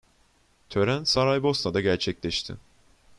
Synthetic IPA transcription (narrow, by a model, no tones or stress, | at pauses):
t̪ʰø̞ɾænsaɾajbo̞snad̪aɟæɾt͡ʃʰɛclʲɛʃt̪ʰɪ̰